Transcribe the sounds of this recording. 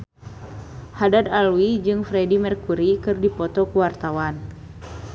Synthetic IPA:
hadad̪alwid͡ʒɨŋfɾɛdimɛrkuɾikɨrdipɔt̪ɔkuwart̪awan

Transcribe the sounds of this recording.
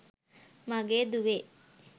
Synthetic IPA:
maɡeːd̪uʋe

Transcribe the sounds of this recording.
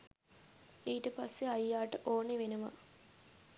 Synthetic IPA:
iːʈəpasːeajːaːʈəʔoːneʋenəʋa̰

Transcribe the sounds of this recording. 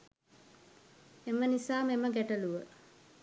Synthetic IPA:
emənisaːmeməɡæʈəluʋə

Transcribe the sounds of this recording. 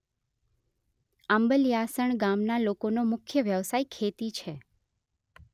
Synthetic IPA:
ambəlijasəɳɡamnalokonomʊkʰjəʋjəʋsaikʰet̪it͡ʃʰe

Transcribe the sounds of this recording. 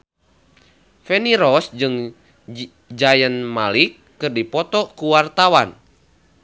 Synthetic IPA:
fɛniɾɔsd͡ʒɨŋ | d͡ʒajənmalikːɨrdipɔt̪ɔkuwart̪awan

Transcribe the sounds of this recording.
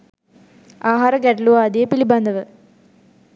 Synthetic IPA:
aːɦaːɾəɡɛʈluʋaːd̪ijepilibɐnd̪ɐʋə

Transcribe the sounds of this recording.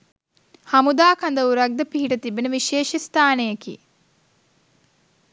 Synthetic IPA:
hɐmud̪aːkɐnd̪ɐʋuɾɐɡ̚d̪ɐpiɦiʈɐt̪ibenəʋiʃeːʃist̪ʰaːnejɐkḭ

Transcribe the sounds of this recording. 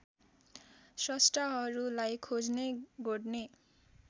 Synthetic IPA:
sɔsʈaɦɔɾulajkʰod͡zneɡoɖne

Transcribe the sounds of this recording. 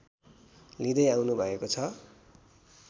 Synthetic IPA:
lid̪ʌjawnubʱʌekot͡sʰʌ

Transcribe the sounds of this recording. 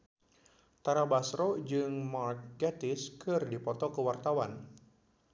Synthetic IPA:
t̪aɾabasɾod͡ʒɨŋmark̚ɡat̪ɪskɨrdipɔt̪ɔkəwart̪awan

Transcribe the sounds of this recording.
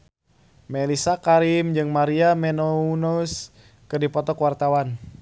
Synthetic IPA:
melisakaɾimd͡ʒɨŋmaɾiamɛnounus | kɨrdipɔt̪ɔkwart̪awan

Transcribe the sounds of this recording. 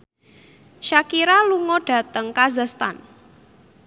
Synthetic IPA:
ʃakiɾaluŋɔɖ̥a̤t̪əŋkazast̪a̰n

